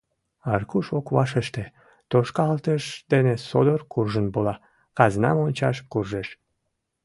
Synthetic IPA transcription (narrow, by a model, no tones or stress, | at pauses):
ɑrkuʃokβɑʃəʃt̪e | t̪oʃkɑlt̪əʃd̪enesod̪ərkurʒənbolɑ | kɑznɑ̰monʲt͡ɕɑʃkurʒeʃ